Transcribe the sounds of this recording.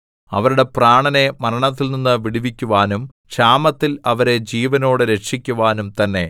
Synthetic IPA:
ɐʋɐɾuɽe̞praːɳɐne̞mɐɾɐɳɐt̪ːilninːɨʋiɽiʋikʲːuʋaːnum | ɕaːmɐt̪ːilɐʋɐɾe̞d͡ʑiːʋɐno̞ːɽɨɾe̞ʈʂikʲːuʋaːnumt̪ɐnːe̞

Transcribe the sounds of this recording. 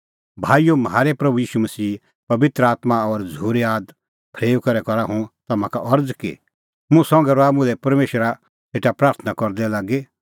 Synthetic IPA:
bʱaːijomɦaːɾepɾɐbujiːʃumɐsiː | pɐbɪt̪ɾəaːt̪maɔɾd͡zʱuːɾeaːd̪ | pʰɾeːʋkɐɾɛkɔɾaɦũt̪ɐmãkaʔɔɾd͡zkḭ | mʊ̃sɔ̃ŋɡɛɾoaːmũlɛpɐɾmeːʃɾa | seːʈapɾaːɾt̪ʰənakɔɾd̪ɛlaːɡe

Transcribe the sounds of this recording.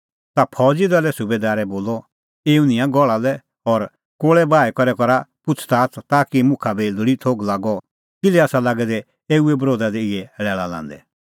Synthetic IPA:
t̪apʰɔd͡zid̪alɛsʊbed̪aːɾɛboːlɔ | eːunɪ̃jãɡɔɭalɛ | ɔɾ | koːɭɛbaːɛkɔɾɛkɔɾapʊt͡sʰt̪aːt̪ʰt̪aːkimʊ̃kʰabɛlʊɽit̪ʰoːɡlaːɡɔ | kɪlɛaːsalaːɡɛd̪ɛ | eːuɛbɾoːd̪ad̪ɛɪɛɭɛːɭalã̰ːnd̪ɛ̰

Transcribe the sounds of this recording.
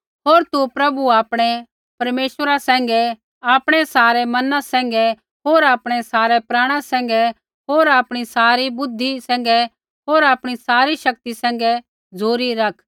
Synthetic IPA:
ɦoːɾt̪upɾɐbuaːpɽ̃ɛ | pɐɾmeːʃəɾasɛ̃ːŋ̆ɡɛ | aːpɽ̃ɛsaːɾɛmɐnãsɛ̃ːŋ̆ɡɛ | ɦoːɾaːpɽ̃ɛsaːɾɛpɾaːɽ̃asɛ̃ːŋ̆ɡɛ | ɦoːɾaːpɽ̃isaːɾibʊd̪ʱːisɛ̃ːŋ̆ɡɛ | ɦoːɾaːpɽ̃isaːɾiʃɐk̚t̪isɛ̃ːŋ̆ɡɛ | d͡zoːɾiɾɐkʰ

